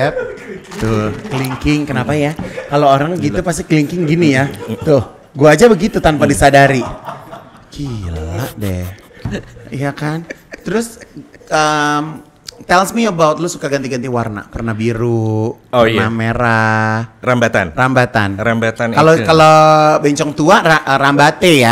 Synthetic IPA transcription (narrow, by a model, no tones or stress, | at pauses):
ɛp̚t̪ʊkəliŋkɪŋkənapajakalooɾaŋɡit̪upas̬t̪ikliŋkɪŋɡinijat̪ʊh | ɡuaːd͡ʒabəɡit̪ut̪anpadisadaɾi | kilaʔdɛ | ijakant̪əɾʊsəm | t̪ɛlsmiəbawt̪̚lʊsukaɡant̪iɡant̪iwarna̰pərnahbiɾupnameɾarambat̪anrambat̪anɾambat̪ankalokalobeɲt͡ʃɔŋt̪uaaʔɾambat̪eja